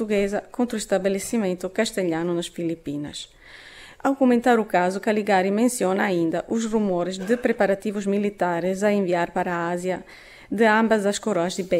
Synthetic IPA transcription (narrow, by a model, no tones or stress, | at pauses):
uɣɛzɐkõnt̪ɾuist̪abelesimẽnt̪ukaʃt̪eʎanunɐsfilipinɐ̰s | awkumẽnt̪aɾukazukaliɡaɾjimẽnsjɔnɐːĩnd̪ɐʔuzrumɔɾɪzd̪ɪpɾepaɾat̪ivʊzmilit̪aɾɪzɐẽɱviaɾpaɾaazjɐ | d̪ɪãmbɐzɐskoɾɔɐzd̪ɪbe